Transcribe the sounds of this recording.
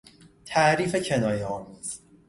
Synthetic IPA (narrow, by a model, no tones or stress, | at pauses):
t̪ʰæːɾiːfe̞cʰe̞nɒːjeɒːmuːz̥